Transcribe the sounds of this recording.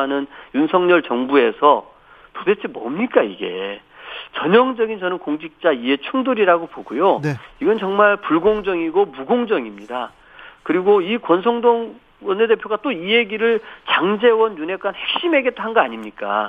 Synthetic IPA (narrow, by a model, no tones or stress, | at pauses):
anɯnjunsʰʌŋɲʌɭt͡ɕʌŋbue̞sʰʌ | tode̞t͡ɕʰemʌ̰mɲik͈aiɡe̞̰ | t͡ɕʌɲʌŋd͡ʑʌɡint͡ɕʌnɯnkoŋd͡ʑik̚t͡ɕ͈aie̞t͡ɕʰuŋduɾiɾaɡopoɡujoniɡʌnt͡ɕʌŋmaɭpuɭɡoŋd͡ʑʌŋiɡomuɡoŋd͡ʑʌŋimɲida | kɯɾiɡoikwʌns̬ʰʌŋdoŋ | wʌnːede̞pʰjoɡat͈oiɦe̞ɡiɾɯɭt͡ɕaŋd͡ʑe̞wʌnjune̞k͈anhe̞k̚ɕ͈ime̞ɡet͈oɦanɡʌaɲimɲik͈a̰